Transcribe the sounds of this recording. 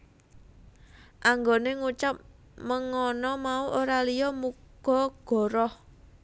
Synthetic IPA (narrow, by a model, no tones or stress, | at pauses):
ʔaŋɡoneŋut͡ʃap̚ | məŋɔnɔmauʔoɾalijɔmuɡ̥ɔ̤ɡ̥ɔ̤ɾɔh